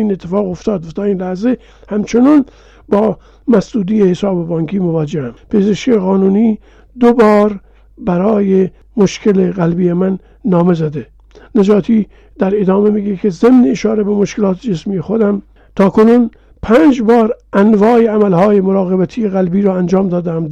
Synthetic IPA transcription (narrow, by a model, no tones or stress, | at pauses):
iːnet̪ʰːefɑːɣoft̪ɒːd̪t̪ʰɒːiːnlæhze | hæmt͡ʃʰonuːn | bɒː | mæsd̪uːd̪iːjehesɑːbebɒːŋkʰiːmovɒːd͡ʒehæmpʰe̞zeʃkeɣɒːnuːniː | d̪obɒːɾ | bæɾɒːje | moʃkʰe̞leɣælbiːjemænː | ɒːme̞zæd̪e | ned͡ʒɒːt̪ʰiː | d̪̥æɾed̪ɒːme̞miɡekʰe̞zemneːʃɒːɾebemoʃkelɒːt̪ʰed͡ʒesmiːjexod̪æm | t̪ʰɒːkʰonun | pʰæːnd͡ʒbɒːɾʔænvɒːjeæmælhɒːjemoɾɒːɣebæt̪ʰijeɣælbiːɾɒːænd͡ʒɒːmd̪ɒːd̪ææm